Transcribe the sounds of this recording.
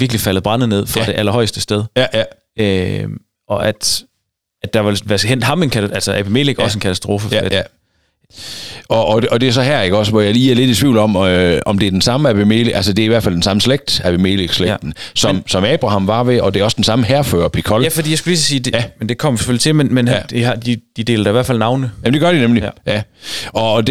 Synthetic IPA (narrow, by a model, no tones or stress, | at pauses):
ʋiɐɡ̥lifæl̰əb̥ʁɑ̈n̰ð̩ˠne̝ð̞̰ˠfʁɑ̈d̥e̝ʔælɐɦɒ̽ɪsd̥əsd̥eð̞ˠ | ø | ɒ̽ʔæd̥ | æd̥ɑ̈ʋɑlʋæsɡ̥hen̰d̥hɑ̈me̝nkʰæælsəʔæb̥imeːleɡ̥ɒsəenkʰæt͡sʰæsd̥ʁo̝ːfəf | ɒ̽ʔɒ̽ɒ̽d̥e̝æsɒ̽ɦæɐeɡ̥əɒ̽sʋɒjɑ̈liːæɐle̝d̥it͡sʰʋḭʊlɒ̽mɒ̽md̥e̝æɐd̥ensɑ̈məæb̥emeːleʔælsəd̥e̝æɐiʋæɐ̰̥fæl̰d̥ensɑ̈məsleɡ̥̚d̥æb̥emḛːleɡ̥sle̥d̥n̩sɒ̽msɒ̽mɛːb̥ʁɑ̈hɑ̈mʋɑ̈ʋe̝ʔɒ̽d̥e̝ɒ̽sd̥ensɑ̈məɦæɐfø̰ːɐpʰikʰɒ̽ljæfɒdḭjasɡuliːsəsiːd̥eæmend̥e̝kʰɒ̽m̰sɒ̥føl̰it͡sʰe̝lmenmend̥iɑd̥id̥id̥e̝̰ːlɐd̥ɑiʋæɐ̰fælnɑ̈ʊnəjæm̩d̥eɡ̥ɶɐdinemlijæɒ̽d